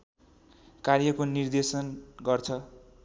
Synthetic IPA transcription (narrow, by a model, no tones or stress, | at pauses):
karjʌkonird̪esʌnɡʌrt͡sʰʌ